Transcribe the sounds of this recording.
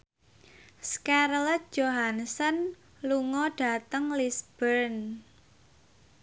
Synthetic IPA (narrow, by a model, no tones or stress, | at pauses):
skaɾlət̪̚d͡ʒoɦansən | luŋɔɖ̥a̤t̪əŋlisb̥ərn